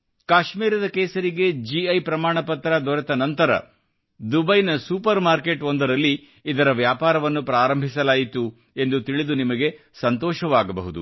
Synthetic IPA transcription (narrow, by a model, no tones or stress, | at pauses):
kaːʃmiːɾɐd̪ɐkeːsɐɾiɡe̞d͡ʒiɐjpɾɐmaːɳɐpɐt̪ɾɐd̪ɔɾɐt̪ɐnɐnt̪ɐɾɐ̰ | d̪ubɐjnɐsuːpɐɾmaːɾke̞ʈond̪ɐɾɐlːiː | d̪ɐɾɐʋjaːpaːɾɐʋɐnːupɾaːɾɐmbʱisɐlaːjit̪u | e̞nd̪ut̪iɭid̪unimɐɡe̞ | sɐnt̪ɔːʃɐʋaːɡɐbɐɦud̪ṵ